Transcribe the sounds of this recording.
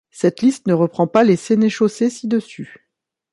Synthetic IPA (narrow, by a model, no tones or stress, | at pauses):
sɛt̪list̪nəʁəpχɑ̃paleseneʃosesid̪əsy